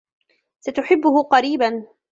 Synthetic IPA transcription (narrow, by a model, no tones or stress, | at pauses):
sat̪ʊħɪbːʊhʊqɑɾiːban